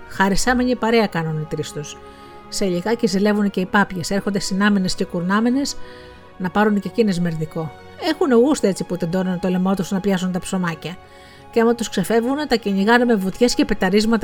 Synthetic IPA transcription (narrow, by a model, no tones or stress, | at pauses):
xɐɾisɐmeɲipɐɾe̞ɐkɐnunit̪ɾist̪usː | eʎiɣɐcezile̞vunce̞ipɐpʝe̞se̞ɾxo̞nd̪esinɐmine̞sce̞kuɾnɐmene̞s | nɐpɐɾunce̞cinezme̞ɾðiko̞ | e̞xuneɣust̪ee̞t͡sipuðed̪onunt̪olemot̪usnɐpʎɐsunt̪ɐpso̞mɐcɐ | ceɐmɐt̪uskse̞fe̞vɣunt̪ɐciɲiɣɐnemevut̪çe̞scepe̞t̪ɐɾizmɐt̪ɐ